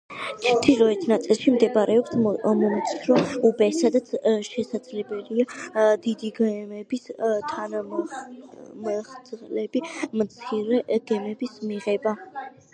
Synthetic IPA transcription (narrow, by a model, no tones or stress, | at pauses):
t͡ʃʰt̪ʰiɾɔɛt̪ʰnat̪sʼilˠʃimd̪ɛbaɾʔɛɔpsmɔmt̪sʰɾɔubɛsad̪at̪sʰʃɛsad̪zlɛbɛliad̪id̪iɡɛmɛbist̪ʰana | mχt̪slɛbimt̪sʰiɾɛɡ̥ɛmɛbismiʁɛba